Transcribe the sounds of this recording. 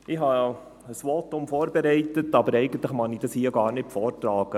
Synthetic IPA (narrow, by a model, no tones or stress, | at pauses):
ɪɦɑ | əsʋɔtʊmfɔːɾbɛɾɛɪtətɑbəɾɛɪɡ̥ən̩t̪ləχmɑnid̥ɑshiːəɡɑːɾnɪt̚pfɔːɾtɾɑːɡ̥ə